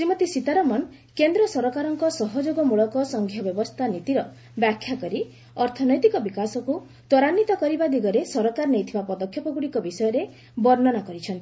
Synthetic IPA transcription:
sɾimɔt̪isit̪aɾɔmɔn | kend̪ɾɔsɔɾɔkaɾɔŋkɔsɔɦɔd͡ʒoɡɔmuɭɔkɔsɔŋɡʱjɔbjɔbɔst̪ʰanit̪iɾɔ | bjakʰːjakɔɾi | ɔɾt̪ʰɔnɔjt̪ikɔbikasɔku | t̪ɔɾanːit̪ɔkɔɾibad̪iɡɔɾesɔɾɔkaɾnejt̪ʰibapɔd̪ɔkʰjɔpɔɡuɽikɔbisɔjɔɾe | bɔɾnɔnakɔɾit͡ʃʰɔnt̪i̥

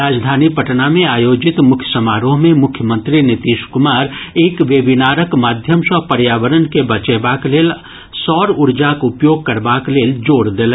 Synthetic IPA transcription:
ɾaːd͡ʒd̪ʱaːnipəʈnamẽaːjoːd͡ʒɪt̪mʊkʰjəsəmaːɾõɦmẽmʊkʰjəmə̃nt̪ɾinɪt̪iːʃkʊmaːɾeːkʋeːbinaːɾəkmaːd̪ʱjəmʃɔpəɾjaːʋəɾənkebət͡ʃebaːkleːl | sɔːɾʊɾd͡ʒakʊpjoːɡ̚kəɾbaːkleːld͡ʒoːɽd̪eːl

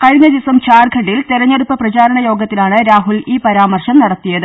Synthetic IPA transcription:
kɐɻiɲːɐd̪isɐmt͡ɕaːrɡʱɐʈːilt̪eɾɐɲːeɽupːɐprɐt͡ɕaːɾɐɳɐjo̞ːɡɐt̪ːilaːɳɨɾaːɦuliːpɐɾaːmɐrʂɐmnɐɽɐt̪ːijɐðɨ

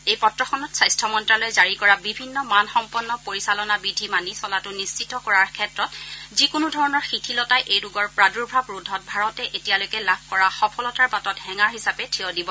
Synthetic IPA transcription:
ejpɔtɹɔxɔnɔtsajstʰɔmɔntɹalɔjɛzaɹikɔɹabibʱinːɔmanxɔmpɔnːɔpoɹisalɔnabidʱimanisɔlatʊnist͡ʃitɔkɔɹaɹkʰɛtɹɔtzikʊnudʱɔɹɔnɔɹxitʰilɔtajʔejduɡɔɹpɹaduɹbʱɹabɹudʱːɔt̚bʱaɹɔtɛʔetijalojkɛlab̚ʱkɔɹaxɔpʰɔlɔtaɹbatɔtɦɛŋaɹɦisapɛtʰiɔdibɔ

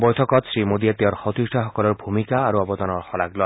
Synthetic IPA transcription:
bɔjt̪ʰɔkɔt̪sɹimod̪iet̪eɔɾxɔt̪isʈʰɔxɔkɔlɔɾbʱumikaːɾuɔbɔd̪ɔnɔɹxɔlaklɔj

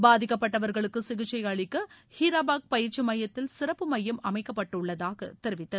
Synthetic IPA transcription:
baːðɪkːɐpːɐʈːɐʋɐɾɣɐɭɯkːɯsɪɣɯt͡ʃːɐɪjɐɭɪkːɐhɪɾɐbaːk̚pɐjɪɾt͡ʃːɯmɐjɐt̪ːɪlsɪɾɐpːɯmɐjːɐmɐmɐɪkːɐpːɐʈːɯɭːɐðaːɣɐ̰t̪ɛɾɯʋɪt̪ːɐ

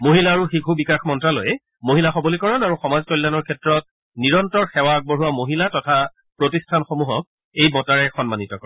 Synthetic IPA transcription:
moɦilaːɹuxikʰubikaxmɔntɹalo̰jɛ | moɦilaxɔbolikɔɹɔnaɹuxɔmazkɔjlːanɔɹkʰɛtɹɔt̚ | niɹɔntɔɹxɛwak̚boɹuwamoɦilatɔtʰa | pɹotistʰanxomuɦɔk̚ | ejbɔtaɹɛxɔnmanitɔkɔɹ

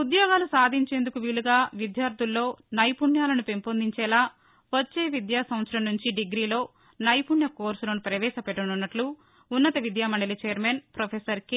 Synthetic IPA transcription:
ud̪jɔːɡaːlusaːd̪ʱiɲt͡ʃeːnd̪ukuʋiːɭuɡaːʋid̪jaːɾt̪ʰulːo̞ːnɐjpunjaːlɐnupe̞mpoːnd̪ʱiɲt͡ʃɛːlaː | ʋɐt͡ʃːe̞ːʋid̪jaːsɐmɐt̪sɾɐmnuɲt͡ʃiɖiɡɾiːlo̞ː | nɐjpuɳjɐkoːɾsuloːnupɾɐʋɛːʃɐpɛʈːɐnunːɐʈluː | nːɐt̪ɐʋid̪jaːmɐɳɖɐlit͡ʃɛːɐɾmeːnpɾopʰesɐɾki

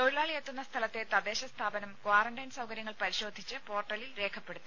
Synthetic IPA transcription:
t̪o̞ɻilaːɭiet̪ːunːɐst̪ʰɐlɐt̪ːet̪ɐðe̞ːɕɐst̪ʰaːbɐnɐmkwaːrɐɳɖɐjnsɐwkɐɾjɐŋːɐɭpɐɾiɕo̞ːd̪ʱit͡ɕːɨpo̞ːrʈːɐlilɾe̞ːkʰɐpːe̞ɽut̪ːu

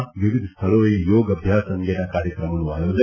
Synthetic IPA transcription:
ʋiʋid̪ʱst̪ʰɐɭoːjɐjɔːɡɐbʱjaːsɐŋɡenɐkaːɾjɐkɾɐmɐnuaːjoːd͡ʒɐ

